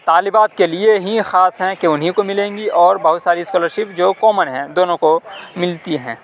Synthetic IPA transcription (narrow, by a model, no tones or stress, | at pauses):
t̪aːlɪbaːt̪kelieɦixaːsɦɛ̃keʊnɦĩkomɪlẽːŋɡiʔɔːɾbɐɦʊt̪saːɾiɪskɔːləɾʃɪpd͡ʒoːkɔːmənɦɛ̃d̪oːnõkomɪlt̪iɦɛ̰̃ː